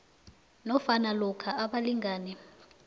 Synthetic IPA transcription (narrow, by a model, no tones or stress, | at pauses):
nɔfanalɔkʰaʔaɓaliŋɡaːnɛ